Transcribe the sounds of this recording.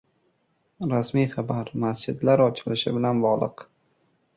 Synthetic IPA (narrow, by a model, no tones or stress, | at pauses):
ɾasmijχabaɾmasd͡ʒɪd̪laɾɒt͡ʃʰɪlɪʃɪ̰bɪlanbɒʁlˠɨq